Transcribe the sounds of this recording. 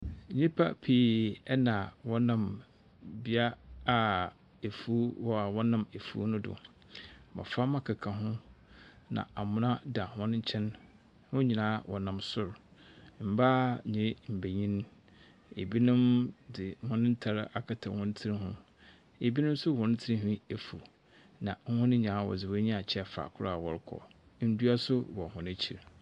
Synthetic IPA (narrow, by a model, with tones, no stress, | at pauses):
ɲĩ˦pʰa˦pʰiː˨ɛ˦nã˨wɔ˦nã˨m | bi˦a˦a˨ | e˨fu˦wɔ˦a˨wɔ̃˦nã˦˨me˨fṵ˦nʊ̃˦dʊ̰˨ | ma̰˨fa˦mã˦kʰa˨kʰa˨ɦʊ̃˦ | nã̰˨a˨mʊ̃˦nã˦da˨hɔ̃˦ñ˦ɲ̩˦t͡ɕʰɛ̃˦n | hʊ̃˦ɲĩ˨nãː˦wʔɔ˨nã˨msʊ˨ɾm̩˨ba˦ɲĩ˨˦m̩˨be˨ɲĩ˦n˦ | e˨bi˦nʊ̃˦mdɪ˨˦hʊ̃˦nɪ̃˦n̩˦tʰa˨ɾa˨kʰa˨tʰã˨hʊ̃˦n̩˦tʰi˦ɾĩ˦ɦʊ̃˦ | e˨bi˦nʊ̃˦m˦sʊ˦˨hɔ̃˨ñ˦tʰɪ˦ĩ˦ɦũ˦e˨fu˨ | nã˨ŋ̩˦hʊ̃˦nɪ̃˦ɲ˨ãː˨˦˨wɔ̰˨zɪ˨wɔ˦ɲĩ˦a˨t͡ɕʰɛ˦˨fa̰ː˨kʰʊ˦ɾa˦a˨wɔ̰˨ɾkʰɔ̰˨˦ | n̩˦du˦a˦sʊ˦wɔ˨hʊ̃˨nɪ̃˦t͡ɕʰi˨ɾ